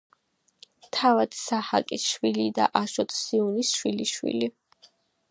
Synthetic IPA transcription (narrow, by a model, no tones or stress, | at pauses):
t̪ʰavad̪saha̰kʼisʃwilid̪a̰ʔaʃɔt̪ʰsiunisʃwiliʃwḭli